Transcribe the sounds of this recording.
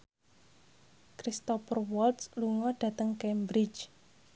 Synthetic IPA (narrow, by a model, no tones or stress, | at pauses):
kɾist̪ɔfərwɔltsluŋɔɖ̥ä̤t̪əŋkembɾit͡ʃ